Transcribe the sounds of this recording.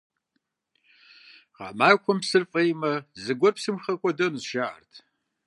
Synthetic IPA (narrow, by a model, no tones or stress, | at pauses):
ʁa̰maːkʷʰɔmpsɨrfʼejmɐzɨɡʷɔrpsɨmχɐkʷʼɔdɐnuzʃaʔa̰rtʰ